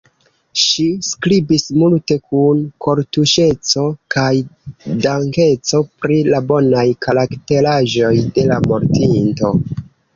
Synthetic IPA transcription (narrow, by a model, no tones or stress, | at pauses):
ʃiskɾibismulte̞kʰunkʰo̞ɾtuʃe̞t͡so̞kajdaŋke̞t͡so̞pɾilabo̞najkaɾakte̞laʒo̞jde̞lamo̞ɾtinto̞